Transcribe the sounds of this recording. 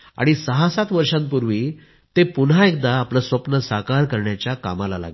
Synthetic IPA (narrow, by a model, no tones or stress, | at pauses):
a̰ɽ̃isəɦasat̪ʋəɾʂãmpuɾʋiː | t̪epunɦaek̚d̪aːpləsʋəpnəsakaɾkəɾɳjat͡ɕjaka̰malala̰ɡ